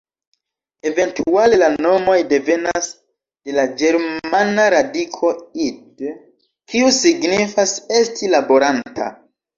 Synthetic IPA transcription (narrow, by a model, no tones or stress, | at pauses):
e̞ve̞ntʰuale̞lano̞mo̞jde̞ve̞nas | d̥e̞lad͡ʒe̞ɾmanaɾadikʰo̞id | kiusiɡnifase̞stilabo̞ɾantʰa̰